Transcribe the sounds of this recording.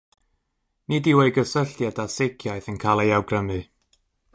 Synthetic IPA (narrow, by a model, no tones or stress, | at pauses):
nidiweɨɡəsəɬjadasɪɡjaɨθənkʰalˠejawɡrəmɨ